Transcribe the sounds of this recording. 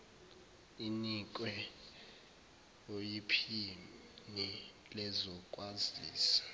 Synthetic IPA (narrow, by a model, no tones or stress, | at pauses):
inik̬ʼwɛ | ojipʰi | ni | lɛzɔkʼwaziːsḁ